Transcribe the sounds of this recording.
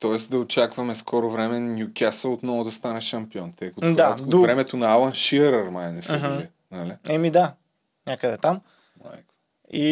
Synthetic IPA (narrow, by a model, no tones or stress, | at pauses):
t̪ɔɛsd̪ɐot͡ʃakvɐmɛskʰɔɾovɾɛmɛnʲjukʲasəlˠot̪nɔvʊd̪ɐst̪anɛʃɐmpiɔnt̪ɛkot̪ad̪vɾɛmɛt̪onɐalˠɐnʃiəɾɐɾmajnɛsɛɦi | naliɛmid̪a | ɲʲakəd̪ɛt̪am | ma̰jko̥ | i